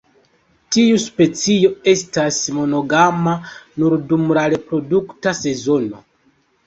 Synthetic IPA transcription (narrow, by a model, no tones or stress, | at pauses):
tiuspe̞t͡sio̞e̞stasmo̞no̞ɡamanuɾdumɾaɾe̞pɾo̞duktase̞zo̞no̞̰